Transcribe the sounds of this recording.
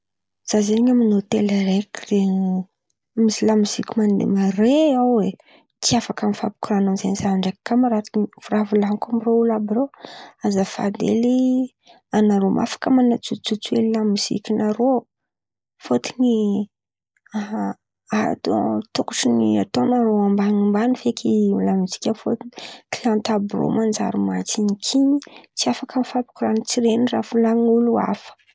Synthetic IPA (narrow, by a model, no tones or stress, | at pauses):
z̥azeiɲaminot̪elaɾekire | mizilamizikʲimand̪ḛmareawe | t͡siafakamifapu̥kuɾananzenizaɳɖ͡ʐekakamaɾat̪iniv̥uravulaŋkamiroulabiɾoazafa̰d̪ḛli | anaɾomʔa̰fḁkamanat͡sut͡sut͡suelilamiz̥ḭkʲinaɾo | fot̪ini | a | at̪ot̪ukuʈ͡ʂiniat̪onaɾoambaŋimbanifekʲʰilamizi̥kʲafot̪ini̥kilant̪abro̰mand͡ʒa̰ɾimat͡siɲikʰiɲit͡siafakamifapu̥kuɾanit͡siɾenirafulaŋulua̰fə̥